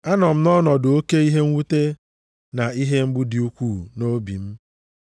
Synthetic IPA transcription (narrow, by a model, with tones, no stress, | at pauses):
a˦nɔ˨m̩˦nɔ˦nɔ˨do˨o˦ke˦i˦ɦe˦ŋ̩˦wu˦te˦ | na˨i˦ɦe˦m̩˦ɡ͡bʊ˦di˨u˦kʷu˦˨no˦bi˨m̩˦